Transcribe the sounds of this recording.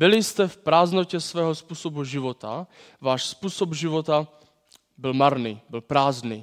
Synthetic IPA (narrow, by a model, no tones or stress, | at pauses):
bɪlɪst̪ɛfpɾaːznocɛsvɛːɦospuːsobuʒivot̪a | vaːʃspuːsobʒivot̪a | bɪlmaɾniːbɪlpɾaːzniː